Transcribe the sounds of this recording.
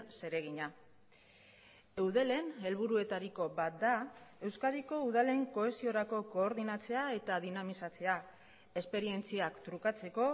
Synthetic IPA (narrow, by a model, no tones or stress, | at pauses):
se̞ɾe̞ɣ̞iɲa | e̞wðe̞le̞ne̞lβuɾue̞t̪aɾiko̞βat̪̚d̪ae̞wskaðiko̞uð̞ale̞ŋko̞e̞sio̞ɾako̞ko̞ːɾðinat͡se̞ae̞t̪aðinamisat͡se̞a | e̞spe̞ɾie̞nt͡siakt̪ɾukat͡se̞ko̞